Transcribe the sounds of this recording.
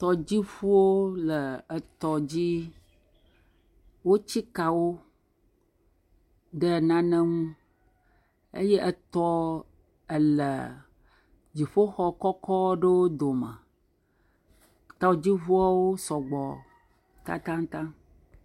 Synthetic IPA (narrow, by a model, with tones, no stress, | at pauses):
t̪ɔ˨d͡ʑi˦ɸu˦wo˦lə˨ə˨t̪ɔ˨d͡ʑi˦ | wo˦t͡ɕi˦ka˨wo˦ | ɖə˦˨nã˦nə̃˦ŋũ˦ | ḛ˦jɛ˦ʔə˨t̪ɔ˦ | ə˨lə̰˨ | d͡ʑi˨ɸo˦xɔ˦kɔ˦kɔ˦ɖə˦wo˦d̪o˨mə̰̃˨ | t̪ɔ˦d͡ʑi˦vu˦a˦wo˦sɔ˨ɡ͡bɔ˨ | t̪a̰˦t̪ã˦ŋt̪ã˦